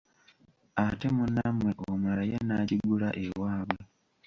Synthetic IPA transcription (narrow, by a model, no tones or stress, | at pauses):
ate̞munːamwe̞ʔomaɾajanaciɡulaʔewaːβwe